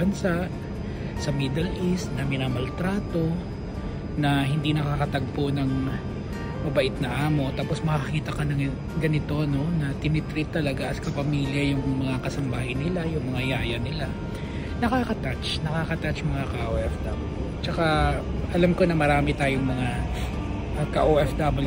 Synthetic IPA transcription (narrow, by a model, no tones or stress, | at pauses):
ɐnsaʔ | sɐmid̪ɐlʔist̪̚nɐmɪnaːmɐlt̪ɾaːt̪o̞ | nɐɦɪnd̪inɐkakɐt̪ɐɡ̚ponɐŋ | mɐbɐʔɪt̪̚nɐʔaːmo̞t̪aːpo̞smɐkɐkiːt̪ɐkɐnɐŋ | ɡɐnɪt̪o̞no̞nɐt̪ɪnɪt̪ɾɪt̪ːɐlɐɡaʔɐskɐpɐmiːljɐjʊŋmɐŋakɐsɐmbaːhɐjnɪlajʊŋmɐŋajaːjɐnɪla | nɐkaːkɐt̪at͡ʃnɐkaːkɐt̪at͡ʃjmɐŋakaʔoʔɛfd̪ɐbl | t͡ʃɐka | ʔɐlamko̞nɐmɐɾaːmɪt̪aːjoŋmɐŋa | ʔkɐʔoʔɛfd̪ɐbɪl